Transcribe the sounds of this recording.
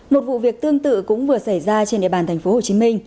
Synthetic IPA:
mo˨˩t̚vṵ˧˨vi˨˩ək̚t̪ɨ˧əŋt̪ɨ̰˧˨kʊ̰˧˥ŋ͡mvɨ˨˩ə˩sa˧˩jzaː˧t͡ɕe˧nɗḭ˧əɓaː˨˩nt̪ʰŋ̟fo˨˦ho˨˩t͡ɕi˨˦mï˧ŋ̟

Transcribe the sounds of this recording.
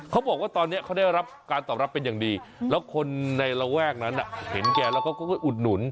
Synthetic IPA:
kʰa˦˥wbɔː˨˩k̚waː˥˩t̪ɔː˧nːi˦˥ɐkʰa˥wda˥˩jɾa˦˥p̚kaː˧nt̪ɔː˨˩p̚ɾa˦˥pːe˧njaː˨˩ŋdiː˧lɛː˦˥wkʰo˧nːa˧jɾa˧wɛː˥˩k̚na˦˥nʔa˨˩he˩˦nkɛː˧lɛː˦˥wkʰaː˦˥˩wkɔ˥˩kʰːjʔu˨˩t̪̚nu˩˦n

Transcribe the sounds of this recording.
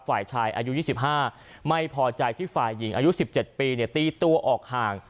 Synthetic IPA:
faː˨˩jt͡ɕʰaː˧jʔa̰ː˧ju˦˥jiː˥˩si˨˩p̚ɦaː˥˩ | ma˥˩jpʰɔː˧t͡ɕa˧jt̪ʰiː˥˩faː˨˩jːi˩˦ŋʔaː˧ju˦˥si˨˩p̚t͡ɕe˨˩t̪̚piː˧ni˥˩ɐt̪iː˧t̪u˧ɐʔɔː˨˩k̚haː˨˩ŋ

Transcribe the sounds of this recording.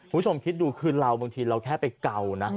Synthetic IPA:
u˧bu˥t͡ɕʰo˧mkʰi˦˥t̪̚duː˧kʰɯː˧ɾa˧wbaː˧ŋt̪ʰiː˧ɾa˧wkʰɛː˥˩pa˧jka˧wna˦˥

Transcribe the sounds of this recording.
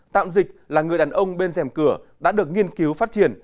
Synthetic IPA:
t̪a̰ː˧˨mzï˨˩k̟̚laː˨˩ŋɨ˨˩əjɗaː˨˩nʔə˧wŋ͡mɓe˧nzɛ˨˩mkɨ˧˩əɗa̰ː˧˥ɗɨ˨˩ək̚ŋi˧ənki˨˦wfa˦˥t̚t͡ɕi˧˩ən

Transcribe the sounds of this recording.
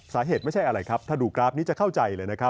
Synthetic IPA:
saː˩˦ɦeː˨˩t̪m˥˩jt͡ɕʰa˥˩jʔa˧ɾa˧jkʰa˦˥p̚t̪ʰaː˥˩duː˨˩kɾaː˦˥p̚niː˦˥t͡ɕa˨˩kʰa˥˩wt͡ɕa˧jləː˧jna˦˥kʰa˦˥

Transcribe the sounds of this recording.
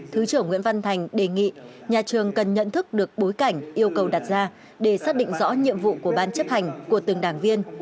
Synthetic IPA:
t̪ʰɨ˨˦t͡ɕɨ˧˩əŋwḭ˧˥ənva˧nt̪ʰa˨˩jŋ̟ɗe˨˩ŋḭ˧˨ɲaː˨˩t͡ɕɨ˨˩əŋkə˨˩nɲə̰˧˨nt̪ʰɨ˦˥k̚ɗɨ˨˩ək̚ɓo˨˦jka˧˩jŋ̟ʔi˧əwkə˨˩wɗa˨˩t̚zaː˧ | ɗe˧˩saː˦˥k̚ɗḭ˧˨ŋ̟zɔ̰˧˥ɲḭ˧əmvṵ˧˨ku˧˩əɓaː˧nt͡ɕə˦˥p̚ha˨˩jŋ̟ku˧˩ət̪ɨ˨˩ŋɗaː˧˩ŋvi˧ən

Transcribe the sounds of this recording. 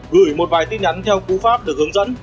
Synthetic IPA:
ɣɨ˧˩jmo˨˩t̚vaː˨˩jt̪i˧nʔa˨˦jŋt̪ʰɛ˧wku˨˦faː˦˥p̚ɗɨ˨˩ək̚hɨ˨˦əŋzə̰˧˥n

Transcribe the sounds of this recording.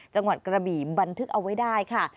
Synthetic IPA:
t͡ɕa˧ŋwa˨˩t̪̚kɾa˧biː˨˩ba˧nt̪ʰɯ˦˥k̚ʔa˧wːa˥jdaː˥˩jkʰa˥˩

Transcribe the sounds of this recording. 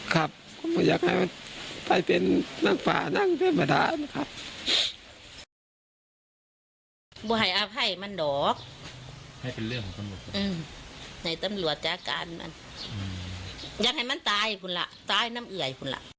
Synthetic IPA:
kʰa˧p̚kʰɔ˧˦bɔː˧˩jaː˧˩k̚ha˨˩jma˧˥˨npa˧˩jpe˨nːaː˧˥˩ŋfa̰ː˨˩naː˧˥˨ŋpɛ˧˨ma˧˨da̰ː˧˦na˧˩kʰa˧p̚ | bɔː˧ɦa˨˩jʔaː˧pʰa˧˩jma˧˥˨ndɔː˨˦k̚ | ha˨˩jpe˨nlɯ˧˥əŋkʰɔ˨˦ŋkʰa˧˨nmɔ˨˩˧ʔɯː˧˩mha˧˩jt̪a˧˦mlu˨˩ət̪̚t͡ɕaː˧kaː˨nma̰˧˥˨nː˨˧ | jaː˧k̚ha˨˩jma˧˥˨nt̪aː˧˥jpʰu˧˨nla˧ʔt̪aː˧˩˨jna˧˥˨mʔɯ˨˩ə˨jpʰu˧˨nla̰˧˨ʔ

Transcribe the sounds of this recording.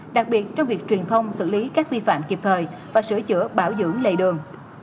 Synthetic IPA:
ɗa˨˩k̚ɓi˨˩ət̚t͡ɕɔ˧wŋ͡mvi˨˩ək̚t͡ɕwi˨˩ənt̪ʰə˧wŋ͡msɨ̰˧˩li˨˦kaː˦˥k̚vi˧fa̰ː˧˨mki˨˩p̚t̪ʰəː˨˩jvaː˨˩sɨ̰˧˩ət͡ɕɨ̰˧˩əɓaː˧˩wzɨ̰˧˥əŋlə̰˧˨jɗɨ˨˩əŋ

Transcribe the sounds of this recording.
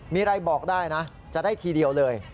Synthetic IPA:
miː˧ɾa˧jbɔː˨˩k̚daː˥˩jna˦˥ | t͡ɕa˨˩daː˥˩jt̪ʰiː˧di˧əwlɤː˧j

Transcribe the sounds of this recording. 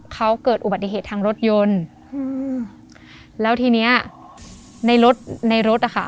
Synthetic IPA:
kʰa˦˥wkɤː˨˩t̪̚ʔu˨˩ba˨˩t̪ːi˩ɦeː˨˩t̪ʰaː˧ŋɾo˦˥t̪̚jo˧n˧ | lɛː˦˥wt̪ʰiː˧ni˦˥ɐ | na˧jɾo˦˥t̪̚na˧jɾo˦˥t̪̚ʔa˨˩kʰa˥˩

